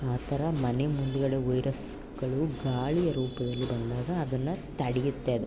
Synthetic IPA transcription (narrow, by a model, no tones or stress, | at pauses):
aːt̪ʰɐɾɐmɐnemund̪uɡɐɽeʋɐjɾʔɐs | ɡ̥ɐɭuɡaːɭijɐɾuːpɐd̪ɐlːibɐnd̪aːɡɐːd̪ɐnːɐt̪ɐɽijut̪ːeɐd̪e